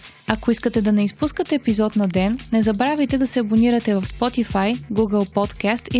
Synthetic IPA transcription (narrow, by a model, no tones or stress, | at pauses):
ɐkoiskət̪ɛd̪ɐnɛispuskət̪ɛːpizɔt̪nɐd̪ɛnːɛzɐbɾavit̪ɛd̪ɐsɛɐboniɾɐt̪ɛvɐfspɔt̪ifajɡuɡəlˠpɔt̪kast̪i